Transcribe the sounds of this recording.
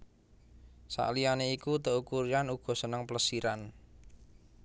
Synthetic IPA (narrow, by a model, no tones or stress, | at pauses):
sa̰ʔlijaneikut̪əʔukuɾianuɡ̥ɔ̤sənəŋpələsiɾan